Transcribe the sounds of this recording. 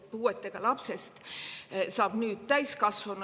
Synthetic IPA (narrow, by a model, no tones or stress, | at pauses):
puːet̪ːˑeɡ̥ɑlɑpse̞st̪ | sɑːb̥nyːd̪̥̚t̪æjskɑsvɑn